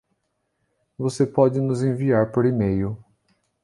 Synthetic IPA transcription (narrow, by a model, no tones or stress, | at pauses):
vosepɔd͡ʒɪnʊzẽviaɾpoɾimejʊ